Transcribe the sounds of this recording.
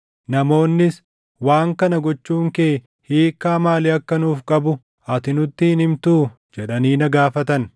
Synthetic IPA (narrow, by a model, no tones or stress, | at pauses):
nɐmo̞ːnːɪs | waːŋkɐnɐɡɔt͡ʃːuːŋkeː | hiːkːaːmaːlɪɐkːɐnuːfkʼɐbʊ | ɐt̪ɪnʊt̪ːɪhɪnhɪmt̪uː | d͡ʒɛᶑɐniːnɐɡaːfɐt̪ɐn